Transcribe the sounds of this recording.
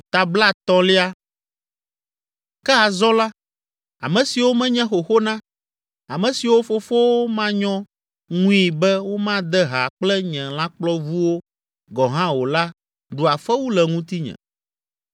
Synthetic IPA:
t̪a˨bla˦t̪ɔ̃˦li˦a˦ | kɛ˦a˨zɔ˦la˦ | a̰˨mɛ̃˨si˨wo˦mɛ̃˦ɲɛ̃˦xo˨xo˦nã˦ | a˨mɛ̃˨si˨wo˦fo˦fo˦wo˦mã˦ɲɔ̃˦ | ŋũ˦i˨bɛ˦wo˦mã˦d̪ɛ˦ɦa˨k͡plɛ˦ɲɛ̃˨lã˦k͡plɔ˦vu˦wo˦ | ɡɔ˨ɦã˦wo˨la˦ | ɖu˨a˨fɛ˦wu˦lɛ˨ŋũ˦t̪i˦ɲɛ̰̃˨

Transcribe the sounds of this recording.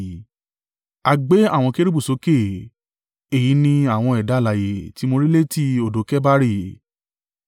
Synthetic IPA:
a˧ɡ͡be˨˦a˦˨w̃ɔ̃˧ke˦ɾi˦bu˦˨so˨˦ke˦˨ | e˨ji˨˦nĩ˧a˦˨w̃ɔ̃˧ɛ˨da˨˦la˨je˨ti˨˦mo˧ɾi˦le˦ti˦o˨do˨˦kɛ˦ba˦ɾi˦˨

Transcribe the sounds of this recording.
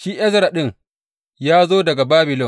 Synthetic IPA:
ʃiː˦ʔɛ˦zɾa˨ɗɪ˦ŋ | jaː˦zoː˦dɐ˨ɡa˨baː˦bɪ˨lɔ˦˨

